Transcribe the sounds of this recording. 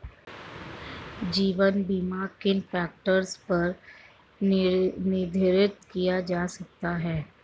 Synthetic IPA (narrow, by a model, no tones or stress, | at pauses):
d͡ʒiːʋənbiːmaːɾkɪnfɛːk̚ʈəɾspɐɾ | nɪd̪ʱɪɾɪt̪kijad͡ʒaːsɐk̚t̪aɦɛː